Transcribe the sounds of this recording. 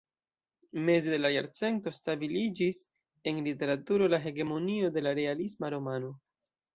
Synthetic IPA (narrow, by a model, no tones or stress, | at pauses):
me̞zede̞lajaɾt͡se̞nto̞stabilid͡ʒis | e̞nlite̞ɾatuɾo̞laɦe̞ɡe̞mo̞nio̞de̞laɾe̞alismaɾo̞mano̞